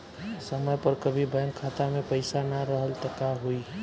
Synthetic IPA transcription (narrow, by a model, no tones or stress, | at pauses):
səməjpɐɾkəbʱibɛ̃ŋkʰːaːt̪amẽpəɪsanaɾəɦəlt̪əkaɦui